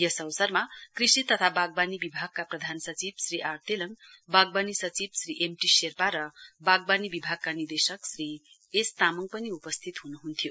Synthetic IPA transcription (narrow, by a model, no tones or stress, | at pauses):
jʌsʌ̃wsʌrmakrisit̪ʌt̪ʰabaɡ̚banibibʱaɡ̚kaprʌd̪ʱansʌt͡sibsriʔart̪elʌŋbaɡ̚banisʌt͡sibsriʔemʈiserpaɾʌbaɡ̚banibibʱaɡ̚kanird̪esʌksri | est̪amʌŋɡpʌniupʌst̪ʰit̪ɦunuɦunt̪ʰijo